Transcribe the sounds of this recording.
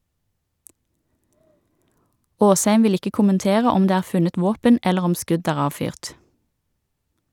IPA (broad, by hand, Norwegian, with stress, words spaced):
ˈoːsˌhæɪm ˈʋɪl ˈɪkə kʊmənˈteːʁə ˈɔm ˈdeː ˈæːʁ ˈfʉnət ˈʋoːpən ˈɛləʁ ˈɔm ˈskʉd ˈæːʁ ˈɑːʋˌfyːʁt